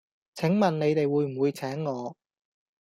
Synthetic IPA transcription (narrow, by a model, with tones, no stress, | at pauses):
t͡sʰɪ˨˥ŋmɐ˨nne˨˧jt̪e˨jwuː˨˧jm̩˨˩wuː˨˧jt͡sʰɛː˨˥ŋːɔː˨˧